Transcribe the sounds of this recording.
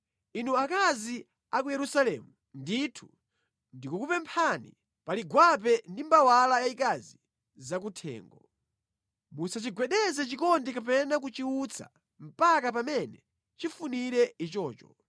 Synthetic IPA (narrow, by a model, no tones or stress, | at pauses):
inuakazi | akujɛɾusalɛmu | nditʰu̥ | ndikukupɛmpʰanḭ | paliɡwap̬ɛndimbawalajaikazi | zak̬utʰɛ̰ːŋɡɔ | musat͡ʃiɡwɛɗɛzɛt͡ʃikɔndikapɛnak̬ut͡ʃiut͡sʰa̰ | m̩pakap̬amɛnɛ | t͡ʃifuniɾɛit͡ʃɔːt͡ʃɔ